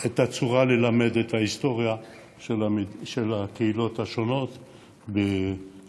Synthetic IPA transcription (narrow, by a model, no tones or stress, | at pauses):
et̪at͡suʁalelame̞dethaist̪o̞ʁija | ʃeaʃelakeilo̞thaʃo̞no̞t̪ | be